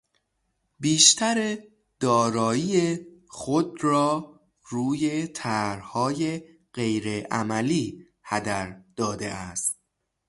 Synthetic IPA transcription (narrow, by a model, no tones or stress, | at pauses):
biːʃt̪ʰæɾe | d̪̥ɒːɾɒːiːexod̪ɾɒː | ɾuːjet̪ʰæɾhɒːje | ɢejɾeʔæmæliː | hæd̪æɾd̪̥ɒːd̪ḛʔæst̪̚